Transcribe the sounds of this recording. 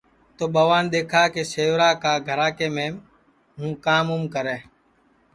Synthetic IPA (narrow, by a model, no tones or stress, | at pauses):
t̪oːɓaːʋaːnɗ̪eːkʰaːkeːseːʋɾaːkaːɡʱəɾaːkeːmẽː | ɦũːkaːmumkəɾeː